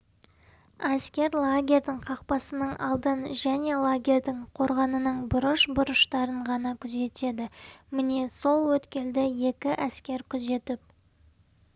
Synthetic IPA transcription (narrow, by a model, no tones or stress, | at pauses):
æskʲe̞ɾlˠaɡʲe̞ɾd̪ɪɴqʰɑqpɑsənəɴɑ̰lˠd̪ənʒæne̞lˠaɡʲe̞ɾd̪ɪɴqʰo̞ɾʁɑnənəɴbʊɾəʃbʊɾəʃt̪ɑɾəɴʁɑnɑkʲʰʏze̞t̪e̞d̪ɪmɪne̞so̞lˠwɵt̪kʲe̞ld̪ɪje̞kʲɪʔæskʲe̞ɾkʲʰʏze̞t̪ɪp̚